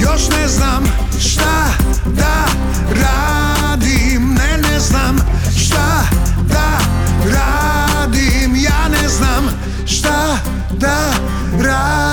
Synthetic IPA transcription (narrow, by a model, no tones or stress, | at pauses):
joʃnɛznam | ʃt̪a | d̪a | ɾa | d̪i | mnɛnɛznam | ʃt̪ad̪a | ɾad̪imjaːnɛznam | ʃt̪a | d̪a | ɾa